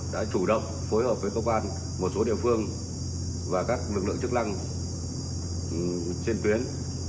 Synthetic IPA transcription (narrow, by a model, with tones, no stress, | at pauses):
ɗa̰ː˧˥t͡ɕu˧˩ɗə̰˧˨wŋ͡m | fo˨˦jhəː˨˩p̚vəː˨˦jkəː˧kwaː˧n | mo˨˩t̚so˨˦ɗḭ˧˨əfɨ˧əŋ | vaː˨˩kaː˦˥k̚lɨ˨˩k̚lɨ̰˧əŋt͡ɕɨ˦˥k̚la˧ŋ˨˩ | t͡ɕe˧nt̪wi˨˦ən